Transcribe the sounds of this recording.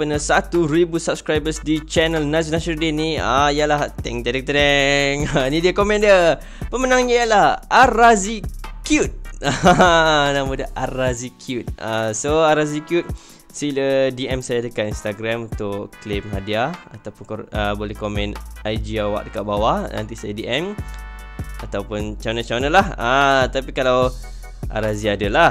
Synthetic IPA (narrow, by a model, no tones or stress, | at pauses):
pənəsat̪uɾibusap̚skɾajbəsdit͡ʃɛnəlnas̬ionasəldiniəijəlaht̪ɛŋt̪ɛdɛk̚t̪ɛŋənidiəkomɛ̃ndiə | pəmənãŋiəlahaɾazikjut̪̚ | namudəʔaɾazikʰjut̪̚asoaɾazikjut̪̚ | silədiʔɛmsajadəkat̪inst̪aɡɾamunt̪ʊʔklemɦadiaat̪awpʊnkəbolɛhkomɛ̃najd͡ʒiawa̰ʔ̚dəkaʔ̚bawanã̰nt̪isajadiʔɛm | at̪awpʊnt͡ʃanat͡ʃanəlahət̪apikalaw | ʔa̰ɾaziadəla